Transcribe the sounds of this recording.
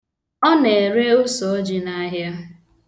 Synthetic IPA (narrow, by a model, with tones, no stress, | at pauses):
ɔ˦ne˨ɾe˦ʊ˦so˨˦d͡ʒi˨na˦ɦja˦